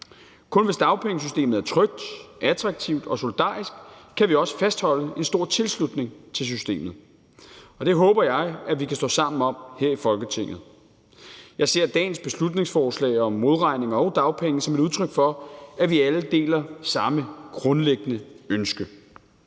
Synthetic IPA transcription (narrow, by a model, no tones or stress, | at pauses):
kʰɔ̽nʋe̝sd̥ɑ̈ʊpʰeŋəs̬ysd̥e̝̰ːmð̩ˠæɐt͡sʰʁœɡ̥̚d̥ʔæd̥ʰʁɑ̈ɡ̥̚t͡sʰiʊd̥ɒ̽so̝lid̥ɑ̰̈ːisɡ̥kʰːæʋiɒ̽sə̥fæsd̥hɒ̽l̰əe̝nsd̥o̝ɐ̰t͡sʰe̝lslud̥ne̝ŋt͡sʰe̝ls̬ysd̥e̝̰ːmð̩ˠ | ɒ̽d̥e̝ɦɔ̽ːb̥ɐjɑ̈ɪæʋikʰæsd̥ɔ̰̽ːsɑ̈m̰n̩ɒ̽m̰heɐ̰ifɒ̽lɡ̥ət͡sʰe̝ŋ̰ð̩ˠ | jɑ̈ɪse̝ɐ̰d̥ɛ̰ːnsb̥e̝slud̥ne̝ŋsfɒːslɛ̰ːɪɒ̽mːo̝ðˠʁɑ̈ɪne̝ŋɐɒʊd̥ɑ̈ʊpʰeŋəsɒ̽me̝ɾuð̞ˠt͡sʰʁœɡ̥fɒ̽æʋiæləd̥e̝̰ːlɐsɑ̈məɡ̥ʁɔ̽nleɡ̥ənəønsɡ̥ə